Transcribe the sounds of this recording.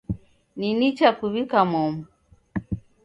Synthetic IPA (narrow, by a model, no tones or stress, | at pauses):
ninit͡ʃakuβikamɔmu